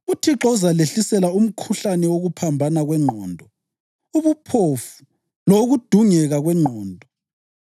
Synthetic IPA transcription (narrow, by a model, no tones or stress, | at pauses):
utʰiǁɔuzaleɬisɛlaum̩kʰuɬanɛwoɣupʰambʱanaɣwɛŋ͡ǃʱɔːndʱɔ | uβupʰofu̥ | loɣud̥ʱuŋɛɣaɣwɛŋ͡ǃʱɔːndʱɔ